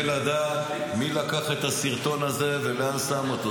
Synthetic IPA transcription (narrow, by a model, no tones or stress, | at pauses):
lad̪aːt̪ | milakaχe̞t̪hasiʁt̪o̞naze̞velasamot̪o